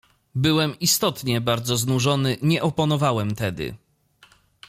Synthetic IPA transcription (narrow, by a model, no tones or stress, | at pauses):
bɘwɛmist̪ɔt̪ɲɛbaɾd̪zɔznuʐɔnɘɲɛʔɔpɔnɔvawɛmt̪ɛd̪ɘ̰